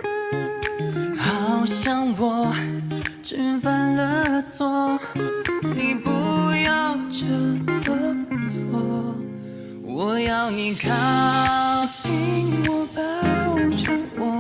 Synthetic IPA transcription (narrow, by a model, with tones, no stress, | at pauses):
xɑ˨ʊɕjɑ˧ŋwɔ˨˩ | ʈ͡ʂə˥nfə˥nlə˧t͡swɔ˥ | ni˨˩pu˧˥jɑ˥˧ʊʈ͡ʂə˧lə˧t͡sɔ˧ | wɔ˨˩jɑ˥˧ʊni˨˩kʰa˧˥˦ʊɕi˧ŋwɔ˧˩pa˧˥˧ʈ͡ʂʰə˧˥wɔ˧